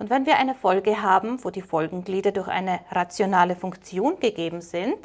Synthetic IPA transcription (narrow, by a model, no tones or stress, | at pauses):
ʔʊntv̥ɛnviːɐʔaɪnəfɔlɡəɦaːbm̩voːdiːfɔlɡŋ̩ɡliːdɐdʊɐçʔa̰ɪnəʁat͡sjonaːləfʊŋkt͡sjoːnɡ̥əɡeːbm̩z̥ɪnt